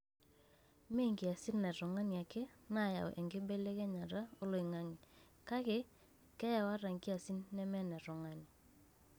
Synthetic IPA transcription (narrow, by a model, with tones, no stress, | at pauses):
me˦˨ŋɡi˨a˨si˦nːɛ˨ɾɔ˨ŋa˦ni˨a˨kɛ˦na˦˨ja̰˨w̰ʔɛ˨ŋɡɪ˦bɛ˦lɛ˦kɛ˦ɲa˨ɾa˦o˦lo˨i˨ŋa˦ŋi˨ | ka˦ke˦ | kɛ˦ja˨wa˦ɾa˨ŋki˦a˨si˦nːɛ˦mɛ˦nɛ˨ɾɔ˨ŋa˦ni˨